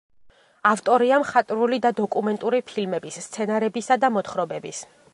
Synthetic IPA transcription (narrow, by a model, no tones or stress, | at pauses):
aft̪ʼɔɾiamχat̪ʼɾulid̪ad̪ɔkʼumɛnt̪ʼuɾipʰilmɛbisːt̪sʰɛnaɾɛbisad̪amɔt̪χɾɔbɛbis